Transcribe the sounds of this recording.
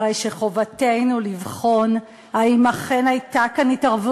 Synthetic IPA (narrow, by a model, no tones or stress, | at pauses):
ejʃeχo̞vatejnulivχo̞n | aimaχe̞najtakanitaʁvu